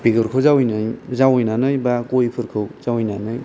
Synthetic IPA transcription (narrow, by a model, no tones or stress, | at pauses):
piɡɯɾkʰɯwzawjnɯjzawjnanɯjbakojpʰɯɾkʰɯwz̥awjnanɯj